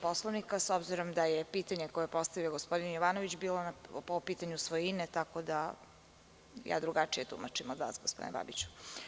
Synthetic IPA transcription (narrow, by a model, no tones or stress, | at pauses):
poslˠoʋnikasobziɾo̞md̪ajepiːt̪aɲekojoepo̞st̪aʋioɡospod̪injoʋaːnoʋit͡ɕbiːlonapopiːt̪aɲusʋojinet̪akod̪a | ja̰ːd̪ɾuɡat͡ʂijet̪ṵmat͡ʃimod̪ʋa̰ːsɡospod̪ineba̰bit͡ɕu̥